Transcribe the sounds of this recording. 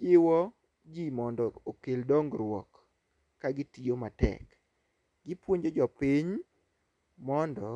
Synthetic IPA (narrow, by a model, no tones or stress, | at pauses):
ɪwɔ | d͡ʒimɔndɔokeldɔŋɡɾwɔ̰kː | aɡɪtijomatɛ̰k | ɡɪpwoɲd͡ʒod͡ʒɔpiɲ | mɔndɔ